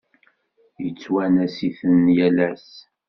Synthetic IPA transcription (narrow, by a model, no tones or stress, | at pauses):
jət͡sːwænæsiθənjælæs